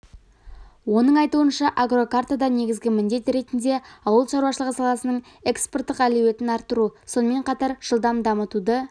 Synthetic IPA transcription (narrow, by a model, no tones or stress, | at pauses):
wo̞nəɴɑjt̪uənʃɑʔaɡro̞kart̪ad̪ɑne̞ɡʲɪzɡʲɪmɪnd̪e̞t̪ɾe̞t̪ɪnd̪e̞ɑwəlˠʃɑɾuwɑʃəlˠəʁəsɑlˠɑsənəɴ | e̞kspo̞rt̪ːəqælewe̞t̪ɪnɑɾt̪ːəɾuso̞nəme̞ɴqʰɑt̪ɑɾʒ̥əlˠd̪ɑmd̪ɑmət̪ud̪ə